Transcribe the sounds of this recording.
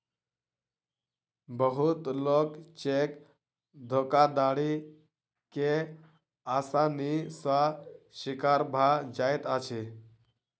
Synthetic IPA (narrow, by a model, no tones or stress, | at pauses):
bəɦut̪lokt͡ɕek | d̪ʱokad̪aɽi | ke | asanisaɕikaɾbʱad͡ʑajt̪at͡ɕʰe